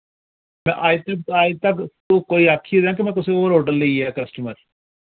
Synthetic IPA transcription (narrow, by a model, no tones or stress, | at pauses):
mɛ̰̃ʔaːit̪ək̚t̪aːit̪əkt̪okoːiaːkʰːid̪eãːk̬imɛ̃ːk̬ʊseoːɾɦoːʈəlːeiɦɛːkəsʈuməɾ